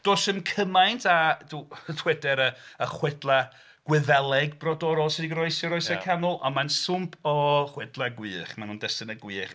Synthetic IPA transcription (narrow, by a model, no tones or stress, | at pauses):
d̥oːsəmkʰəmajntʰaduːtʰw̥ɛdɛɾəəχwɛdlˠa | ɡ̥wɪðɛlˠɛɡbrɔdɔɾɔlˠsɪdiɡrɔɨsjɔɾɔjsakʰanʊlˠa̰nmansʊmpʰɔχwɛdlˠaɡwɨːχmanuːndɛstɪnəɡwiːχ